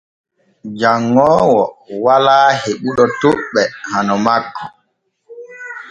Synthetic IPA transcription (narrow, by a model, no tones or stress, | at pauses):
d͡ʒaŋːɔːwɔwalaːheɓuɗɔtoɓːɛhanɔmakːɔ̥